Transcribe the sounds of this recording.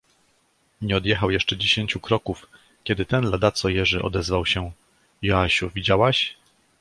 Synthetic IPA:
ɲɛɔd̪jɛxawjɛʂt͡ʂɛd͡ʑeɕeɲt͡ɕukɾɔkuf | kʲɛd̪ɘt̪ɛnlad̪at̪sɔjɛʐɘʔɔ̰d̪ɛzvawɕɛ | jɔaɕuvʲid͡ʑawaɕ

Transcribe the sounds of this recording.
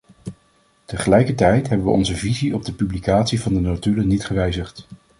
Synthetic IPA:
təχəlɛjkəɹtɛjtɦɛbəʋə̰ʔɔ̰nzəviziɔb̚dəpyblikaːtsivɑndənotylənitχəʋɛjzəχt

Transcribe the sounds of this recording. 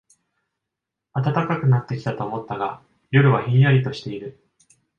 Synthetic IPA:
at̪at̪akakɯ̟nat̪ːe̞kʲi̥t̪at̪o̞ːmo̞t̪ːaɡa | jo̞ɾɯ̟βaçĩɰ̃jaɾʲit̪o̞ɕi̥t̪e̞iɾɯ̟

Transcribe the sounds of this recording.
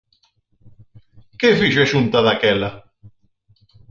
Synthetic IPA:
kefiʒeʃunt̪aðakɛla

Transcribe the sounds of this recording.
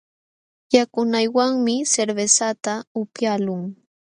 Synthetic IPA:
jakʊnajwaŋmɪseɾbesat̪aʊpjalʊŋ

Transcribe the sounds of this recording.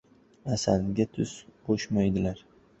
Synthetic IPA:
asalɡʲat̪ʰʊsb̥oʃmajd̪ɪlaɾ

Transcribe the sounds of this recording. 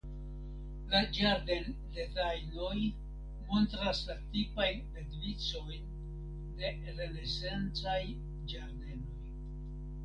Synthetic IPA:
lad͡ʒaɾde̞n | de̞tajno̞j | mo̞ntɾaslatipajnledvit͡so̞jn | de̞ | ɾe̞ne̞sent͡saj | d͡ʒaɾde̞no̞j

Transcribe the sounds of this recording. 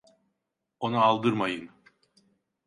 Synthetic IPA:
o̞naːlˠd̪ɯɾmajɯn

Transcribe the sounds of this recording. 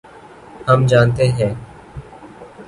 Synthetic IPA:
həmd͡ʒaːnt̪eːɦɛ̃ː

